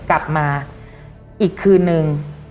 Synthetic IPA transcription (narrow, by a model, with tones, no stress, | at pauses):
kla˨˩p̚maː˧ | ʔiː˨˩kʰːɯː˧nːɯ˧ŋ